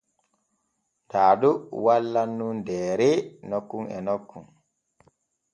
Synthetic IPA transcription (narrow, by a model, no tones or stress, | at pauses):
daːdɔwalːanːundɛːɾɛnokːuŋɛ̰nokːun